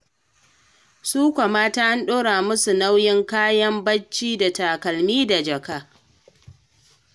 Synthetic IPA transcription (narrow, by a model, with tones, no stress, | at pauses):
suː˦kʷa˨maː˦taː˦ʔa˦nɗoː˦ɽaː˨mʊ˦su˨na˦wjɪ˦ŋkaː˦jɐ˦mbɐ˦t͡ʃːiː˦da˨taː˨kɐ˨lmiː˦da˨d͡ʒɐ˨kaː˦